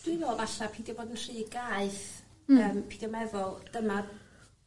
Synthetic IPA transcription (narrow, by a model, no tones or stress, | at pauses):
d̥wɪvoːlˠvaɬapʰiːndiboːdənr̥iːɡaɨθ | əːmpʰiːdɔmɛðʊlˠd̥əma